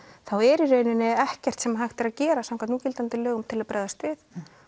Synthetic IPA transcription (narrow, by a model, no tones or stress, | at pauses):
θawɛɾirœːɥnɪnɪɛhcɛr̥t̪sɛmaɦajxt̪ɪɾaðcɛːɾasamkʰanuːcɪlt̪ant̪ɪlːœːɣʏmt̪ʰɪlaðpɾʔœːðast̪vɪθ